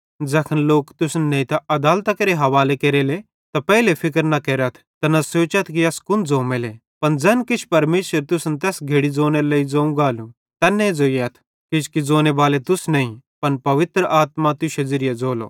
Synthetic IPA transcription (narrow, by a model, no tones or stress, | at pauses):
d͡zɐkʰənloːkt̪ʊsnnɐ̃ĩt̪aɐd̪aːlt̪akɐɾeɦɐʋaːlekeːɾele | t̪apɛːlepʰɪkəɾnɐkeːɾɐt̪ʰt̪ɐnɐsoːt͡ʃɐt̪ʰkiɐskʊnd͡zoːmele | pɐnd͡zɐnkɪt͡ʃʰpɐɾmeːʃəɾt̪ʊsnt̪ɛːsɡʱeːɽid͡zoːnelɐid͡zoːũɡaːlũ | t̪ɐnːɛ̃d͡zoːiɐt̪ʰ | kɪt͡ʃʰkid͡zoːnebaːlet̪ʊsnɐːĩpɐnpɐʋɪt̪ɾəʔaːt̪mat̪ʊʃezɪɾɪjad͡zoːlo̰ː